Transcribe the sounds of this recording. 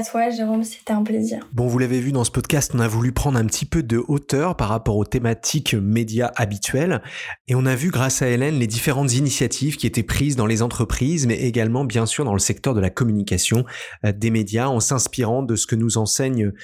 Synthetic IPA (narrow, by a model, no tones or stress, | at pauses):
at̪waʒeʁomse̥t̪ɛɛ̃plezḭːʁbɔ̃vulavevyd̪ɑ̃sə̥pɔd̪kast̪ɔ̃navulypχɑ̃d̪ʁɛ̃pət̪ʰipød̪əʔot̪œʁpaʁːapɔʁot̪emat̪ʰikmed̪jaʔabit̪ɥɛleɔ̃navyɡʁasaelɛnled̪ifeʁɑ̃t̪zinisjat̪ʰivkʲiet̪ɛpχizd̪ɑ̃lezɑ̃t̪χəpχizmɛʔeɡalmɑ̃bjɛ̃syʁd̪ɑ̃ləsɛk̚t̪œʁd̪əlakɔmynikʲasjɔ̃d̪emed̪jaɑ̃sɛ̃spiʁɑ̃d̪əsə̥kənuzɑ̃sɛɲə